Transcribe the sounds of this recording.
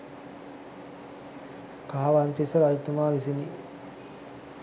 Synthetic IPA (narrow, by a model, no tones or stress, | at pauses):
kaɦaʋant̪isɐɾajit̪umaːʋisini